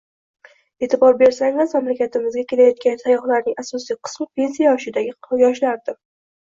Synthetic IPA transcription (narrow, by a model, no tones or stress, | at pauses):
e̞t̪ʰɪbɒɾbe̞ɾsaŋɪzmamlakʲat̪ʰɪmɪzɡʲakʲʰe̞lajɒt̪̚kʲansʰajɒχlaɾnɪŋasɒsijqʰɨ̥smɪpʰe̞nsijaɒʃɪd̪aɡʲɪjɒʃlaɾd̪ɪ